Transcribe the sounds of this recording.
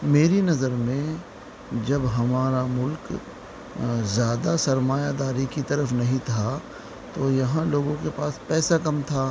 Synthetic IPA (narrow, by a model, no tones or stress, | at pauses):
meːɾinɐzəɾmẽ | d͡ʒɐbɦɐmaːɾamʊlk | zjaːd̪asɐɾmaːjad̪aːɾikit̪ɐɾəfnɐɦĩt̪ʰa | t̪ojɐɦãloːɡõkepaːspɛːsakɐmt̪ʰaː